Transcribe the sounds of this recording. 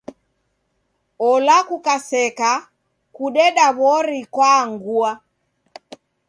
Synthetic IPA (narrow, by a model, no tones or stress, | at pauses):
ɔlakukasɛka | kuɗɛɗaβɔɾikwaŋɡua